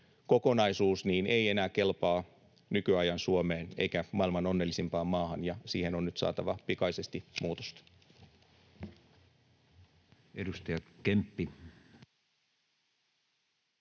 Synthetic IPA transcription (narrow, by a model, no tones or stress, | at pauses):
ko̞ko̞nɑisuːsniːneie̞næːke̞lpɑː | nykyɑjɑnsuome̞ːne̞̰jkæmɑilmɑno̞nːelːisimpɑːmːɑːhɑnjɑsḭːhe̞nonːyt̪sɑ̰ːt̪ɑʋɑpikɑjse̞st̪imuːt̪o̥st̪ɑ̥ | edust̪ɑjɑkempːi